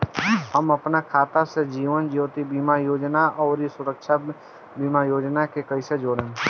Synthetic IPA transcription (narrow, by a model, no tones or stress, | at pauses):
həmɐpnakʰaːt̪ased͡ʒiːʋənd͡ʒiːt̪ibiːmajoːd͡ʒnaɔːɾisʊɾəkʃa | biːmajoːd͡ʒnakekəɪsed͡ʒoːɽẽː